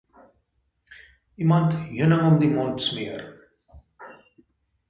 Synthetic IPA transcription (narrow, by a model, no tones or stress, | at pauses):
imɐntjənəŋɔmdimɔntsmiər